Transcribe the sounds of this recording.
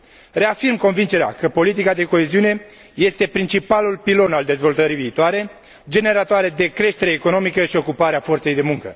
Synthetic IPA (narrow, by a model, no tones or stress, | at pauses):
re̞afirmko̞nvint͡ʃe̞ɾea̰kəpo̞lit̪̬ikad̪e̞ko̞eziune̞ | je̞st̪e̞pɾint͡ʃipalulpilo̞nald̪e̞zvo̞lt̪əɾiviːt̪oaɾe̞ | d͡ʒe̞ne̞ɾat̪oaɾe̞d̪e̞kɾe̞ʃt̪e̞ɾeːko̞no̞mikəʃio̞kupaɾeafo̞rt̪se̞jd̪e̞muŋkə̰